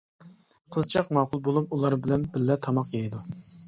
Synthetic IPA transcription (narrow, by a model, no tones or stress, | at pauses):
qʰəzt͡ʃʰɑqmɑːqʊlˠbolˠup̚ulˠɑɾbɪlɛnbɪlːɛt̪ʰɑmɑqjejid̪u